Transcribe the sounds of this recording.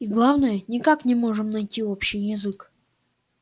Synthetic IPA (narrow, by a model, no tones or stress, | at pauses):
iɡlˠavnəjənʲɪkaknʲɪmo̞ʐɨmnɐjtʲio̞pɕːɪjːɪzɨk